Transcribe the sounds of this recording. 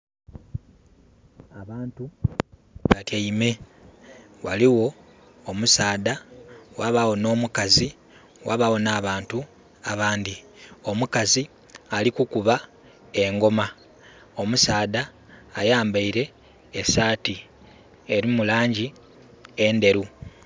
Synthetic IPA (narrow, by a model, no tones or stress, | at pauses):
aβaːntu | βakeime̞ | waliwo̞ː | musaːdawaβawo̞no̞ːmukazi | wa̰βawo̞naːβaːntu | aβaːndio̞mukazi | alikukuβa | e̞ŋɡo̞ma | o̞musaːdaː | jaːmbaiɾe̞ː | saːti | eɾimulaːɲɟi | ende̞ɾu